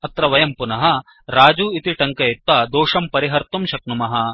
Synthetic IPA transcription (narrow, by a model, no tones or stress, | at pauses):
ɐt̪ɾɐʋɐjɐmpunɐɦɐ | ɾaːd͡ʒuːit̪iʈɐŋkɐit̪ʋɐd̪oːʂɐmpɐɾiɦɐɾt̪umʃɐknumɐɦɐ